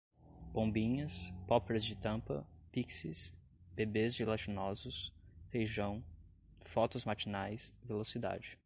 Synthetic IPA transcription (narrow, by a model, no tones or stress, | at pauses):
b̥õbĩɲɐspɔpɾɐzd͡ʒɪt̪ɐ̃pɐ̰piksɪs | b̥ebezd͡ʒɪlat͡ʃinɔzʊshejʒɐ̃w̃ | fɔt̪ʊzmat͡ʃinajsvelosid̪a̰d͡ʒɪ